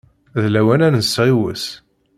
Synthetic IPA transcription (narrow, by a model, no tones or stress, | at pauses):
ðlæwænænənsʁiwə̰s